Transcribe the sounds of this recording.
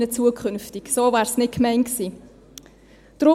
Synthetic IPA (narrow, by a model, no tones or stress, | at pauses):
nət͡suəkʰχʏnftiksoːvæːɾsnɪt̚kmɛɪnksiː | d̥ɾʊ